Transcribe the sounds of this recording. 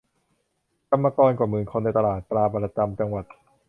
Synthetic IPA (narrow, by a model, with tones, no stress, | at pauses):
ka˧mːa˧kɔː˧nkaː˨˩mɯː˨˩nkʰo˧nːa˧jt̪a˧laː˨˩t̪̚plaː˧ba˧la˧t͡ɕa˧mt͡ɕa˧ŋwa˨˩t̪̚